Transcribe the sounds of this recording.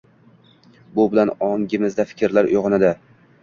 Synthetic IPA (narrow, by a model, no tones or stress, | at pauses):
bʊbɪlanɒŋɡʲɪmɪzd̪afɪ̥kʲʰɾlaɾʊ̰jʁɒnad̪ɪ